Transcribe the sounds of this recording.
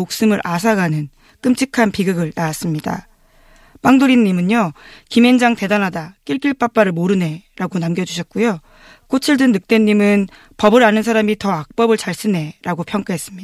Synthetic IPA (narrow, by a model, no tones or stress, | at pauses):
ok̚s͈ɯmɯɾʔas̬ʰaɡanɯn | k͈ɯmt͡ɕʰikʰanpiɡɯɡɯɭnaas͈ɯmɲida̰ | p͈aŋdoɾinːimɯɲokime̞nd͡ʑaŋte̞danɦadak͈iɭk͈iɭp͈ap͈aɾɯɭmoɾɯne̞ɾaɡonamɡjʌd͡ʑuɕʰʌt̚k͈ujo | k͈ʰot͡ɕʰiɭdɯnːɯk̚t͈e̞nːimɯn | pʌbɯɾanɯnsʰaɾamitʌak̚p͈ʌbɯɭt͡ɕaɭs͈ɯne̞ɾaɡopʰjʌŋk͈aɦe̞s͈ɯmɲi